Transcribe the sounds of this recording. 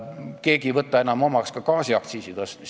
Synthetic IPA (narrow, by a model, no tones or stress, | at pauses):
ke̞ːɡivɤt̪ːˑɑe̞nɑmo̞mɑkskɑkɑːsiɑkt̪siːsit̪ost̪mis